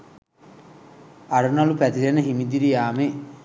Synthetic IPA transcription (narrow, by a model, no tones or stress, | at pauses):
ɐɾunɐlupæt̪ilenəɦimid̪iɾijaːme